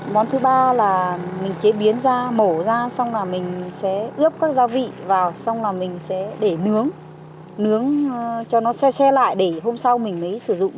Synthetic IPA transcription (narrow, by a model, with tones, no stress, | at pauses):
ɓɔ˨˦nt̪ʰɨ˨˦ɓaː˧laː˨˩mï˨˩ŋ̟t͡ɕe˨˦ɓi˨˦ənzaː˧mo˧˩zaː˧sa˧wŋ͡mlaː˨˩mï˨˩ŋ̟sɛ̰˧˥ʔɨ˦˥əp̚kaː˦˥k̚zaː˨˦vḭ˧˨vaː˨˩wsa˧wŋ͡mlaː˨˩mï˨˩ŋ̟sɛ̰˧˥ɗe˧˩nɨ˨˦əŋ | nɨ˨˦əŋt͡ɕɔ˧nɔ˨˦sɛ˧sɛ˧la̰ː˧˨jɗe˧˩hɦo˧msa˧wmï˨˩ŋ̟ʔə˨˦jsɨ˧˩zʊ̰˧˨ŋ͡m